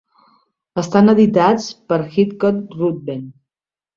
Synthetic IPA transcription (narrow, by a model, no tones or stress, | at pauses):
əst̪anəðit̪at͡spəɾxit̪kɔt̪̚rud̪̚ben